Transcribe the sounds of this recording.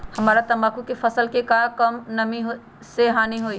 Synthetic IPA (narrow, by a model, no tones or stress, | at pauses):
hɐmaːɾat̪ɐmaːkukefʰɐsəlkekakəmnɐmiɦo | seɦaːniɦoːi